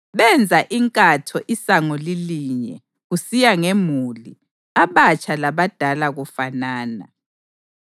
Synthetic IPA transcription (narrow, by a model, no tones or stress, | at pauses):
βɛnd͡zʱaʔiŋkʼatʰɔʔisaŋɔliliɲɛ | ɣusijaŋemuli | aβat͡ʃʼʰalaβad̥ʱalaɣufanaːna̰